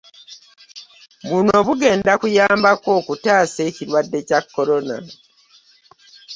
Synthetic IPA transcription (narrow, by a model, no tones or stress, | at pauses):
βuno̞ːβuɡe̞ːndakujaːmbako̞ːkutaːse̞ːciɾwadːe̞cakːo̞ɾo̞na̰